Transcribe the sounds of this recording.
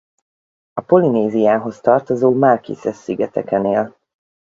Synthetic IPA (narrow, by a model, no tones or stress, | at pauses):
ɒpo̞lineːzijaːɦo̞st̪ɒrt̪o̞zoːmarkḭsɛsːiɡɛt̪ɛkɛneːl